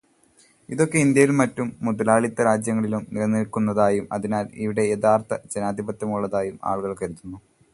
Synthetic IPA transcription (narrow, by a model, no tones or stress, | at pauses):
iðo̞kːe̞ind̪jɐjilmɐtːumːuðɐlaːɭit̪ːɐɾaːd͡ʑjɐŋːɐɭilumniɾɐnːilkːunːɐðaːjumɐ̰ðinaːlḭʋiɽe̞jeðaːrt̪ʰɐd͡ʑenaːd̪ʱibɐt̪ːjɐmuɭːɐðaːjuma̰ːɭɣɐɭkːɐɾut̪ːunːu